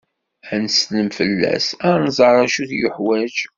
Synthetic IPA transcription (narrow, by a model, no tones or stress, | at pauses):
ænsnəmfəlːæ̰sænzˤəɾˤæʃuθjʊħwæd͡ʒ